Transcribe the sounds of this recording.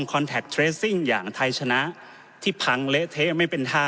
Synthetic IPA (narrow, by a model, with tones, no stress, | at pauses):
ŋkʰɔː˧nt̪ʰɛ˨˩k̚t̪ʰɾeː˦˥si˥˩ŋjaː˨˩ŋt̪ʰa˧jt͡ɕʰa˧na˦˥ʔ | t̪ʰiː˥˩pʰa˧ŋlɛ˦˥ʔt̪ʰeː˦˥ma˥˩jpe˧nt̪ʰaː˥˩